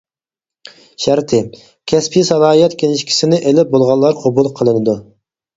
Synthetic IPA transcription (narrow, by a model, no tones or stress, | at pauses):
ʃæɾt̪ʰɪ | kʲʰɛspʰisɑlˠɑːijɛt̪kʲʰelɪʃkʲi̥sɪnɪʔelɪp̚bolˠʁɑnlˠːɑɾqʰɑbulˠqʰəlˠɨnɨd̪u